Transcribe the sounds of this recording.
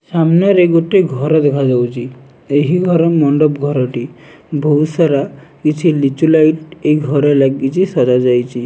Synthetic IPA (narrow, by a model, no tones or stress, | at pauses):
samnɔɾeɡoʈːeɡʱɔɾɔd̪ekʰad͡ʒawt͡ʃʰi | eɦiɡʱɔɾɔmɔɳɖɔpɡʱɔɾɔʈi | bʱɔwsaɾakit͡ʃʰilit͡ʃulajʈejɡʱɔɾɔlaɡkit͡ʃʰisɔd͡ʒad͡ʒajt͡ʃʰi